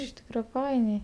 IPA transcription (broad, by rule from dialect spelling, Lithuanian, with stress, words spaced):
ɪʃ ˈtʲiːkrɐ ˈfɐɪnʲɛɪ